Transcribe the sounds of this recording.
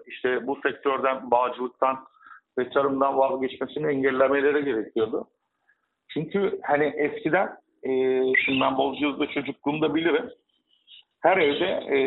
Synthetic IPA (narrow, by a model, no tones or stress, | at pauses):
iʃt̪ʰɛbusɛc̚t̪ʰøɾd̪ænbaːd͡ʒɯlˠɯk̚t̪ʰanvɛt͡ʃ̪ʰaɾɯmd̪anvazɟɛt͡ʃmesimiɛɲɟælʲːeme̞lʲe̞ɾiɟe̞ɾɛcʰijo̞d̪ʊ | t͡ʃʰyɲcʰyhaniʔɛscʰid̪æn | ɛːʃinbænbo̞lˠd͡ʒuzd̪at͡ʃʰo̞d͡ʒuk̚lˠuːmd̪abilʲiɾim | hæɾɛvd̪ɛ